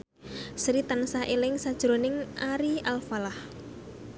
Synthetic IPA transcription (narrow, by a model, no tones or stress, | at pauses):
sɾit̪ansaʔelɪŋsad̥ʒ̥ɾonɪŋʔaɾialfalah